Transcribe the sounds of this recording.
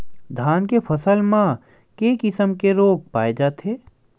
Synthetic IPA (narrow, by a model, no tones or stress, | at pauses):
d̪ʱaːnkepʰɐsəlmã | keːkɪsəmkeɾoːk̚paːed͡ʒaːt̪eː